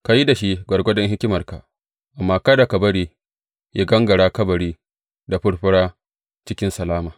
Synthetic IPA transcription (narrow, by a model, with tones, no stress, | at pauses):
ka˨ji˦da˨ʃi˦ɡʷɐ˨rɡʷɔ˦dɔ˦ŋɦɪ˦kʲɪ˦mɐ˨rka˨ | ʔa˨mːaː˦kɐ˦da˨ka˨bɐ˦ɽiː˦ | ja˦ɡɐ˦ŋɡɐ˨ɽaː˦kɐ˦bɐ˨ɽiː˦ | da˨ɸʊ˦ɽɸʊ˦ɽaː˦ | t͡ʃɪ˦kʲɪ˦nsɐ˨laː˦maː˨